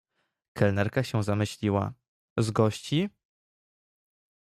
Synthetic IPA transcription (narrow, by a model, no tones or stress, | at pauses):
kɛlnɛɾkaɕɛzamɘɕlʲiwa̰ | zɡɔɕt͡ɕi